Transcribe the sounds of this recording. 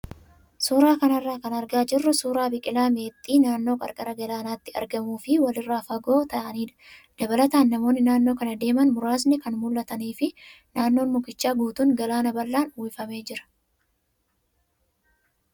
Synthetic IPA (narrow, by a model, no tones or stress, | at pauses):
suːɾaːkɐnɐrːaːkɐnɐɾɡaːd͡ʒɪrːʊsuːɾaːbɪkʼɪlaːme̞ːt̪ʼːiːnaːnːo̞ːkʼɐ̰ɾkʼɐɾɐɡɐlaːnaːt̪ːɪɐ̰ɾɡɐmuːfɪwɐlɪrːaːfɐɡoːt̪ɐʔɐniːᶑ̪ɐ̥d̪̥ɐbɐlɐt̪aːnːɐmo̞ːnːɪnaːnːo̞ːkɐnɐd̪e̞ːmɐnmʊɾaːs̬nɛkɐnmʊlːɐt̪ɐniːfɪ | naːnːoːnmʊkɪt͡ʃːaːɡuːt̪uːŋɡɐlaːnɐbɐlːaːnʊwɪfɐme̞ːd͡ʒɪɾɐ̥